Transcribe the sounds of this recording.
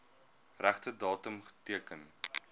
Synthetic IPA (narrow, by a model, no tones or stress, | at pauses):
ræχtədɑːtəmχə̥tiəkən